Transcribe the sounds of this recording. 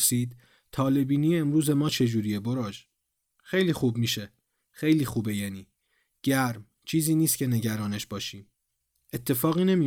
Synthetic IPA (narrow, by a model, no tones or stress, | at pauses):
siːd̪ | t̪ʰɒːle̞biːniːjeːmɾuːze̞mɒːt͡ʃʰe̞d͡ʒuːɾije̞boɾɒːd͡ʒ | xejliːxuːbmiːʃe̞ | xejliːxuːbe̞jæːniː | ɟ̥æɾm | t͡ʃʰiːziːniːst̪̚cʰene̞ɟæɾɒːneʃbɒːʃiːm | e̞t̪ʰːe̞fɒːɣiːne̞miː